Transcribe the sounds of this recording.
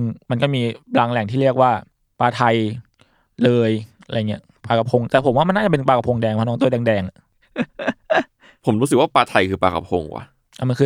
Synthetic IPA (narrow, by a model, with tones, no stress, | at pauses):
nma˧nkɔː˥˩miː˧plaː˧ŋlɛ˨˩ŋt̪ʰiː˥˩ɾi˥˩ək̚waː˥˩ | paː˧t̪ʰa˧j | lɤː˧ja̰˧˨˩ŋːi˦˥ɐ | paː˧ka˧pʰo˧ŋt̪ɛː˨˩pʰo˩˦mwaː˥˩m˧nːaː˥˩t͡ɕa˨˩p̬e˧paː˧ka˧pʰo˧ŋdɛː˧ŋpʰːnɔː˦ŋt̪u˥˨dɛː˧ŋdɛː˧ŋa˩ | pʰo˩˦mɾuː˦˥sɯ˨˩k̚waː˥˩paː˧t̪ʰa˧jkʰɯː˧paː˧ka̰˧˩pʰo̰˧ŋwa̰˧˦˩ | ʔa˨˩ma˧nkʰɯː˧